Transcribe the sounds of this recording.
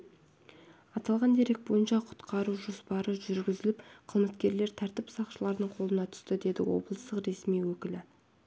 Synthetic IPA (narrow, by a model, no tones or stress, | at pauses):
ɑt̪ɑlˠʁɑnd̪e̞ɾek̚bo̞jənʃɑqʰʊ̥t̪qʰɑɾuʒo̞spɑɾəʒʏɾɡʲɪzɪlɪpqʰəzmət̪kʲe̞ɾle̞ɾt̪ʰæɾt̪ɪpsɑqʃəlˠɑɾd̪əɴqʰo̞lˠənɑt̪ʰʏ̥st̪ɪd̪e̞d̪ɪ̰wo̞̰blˠəst̪əqɾe̞smijwɵkʲɪlɪ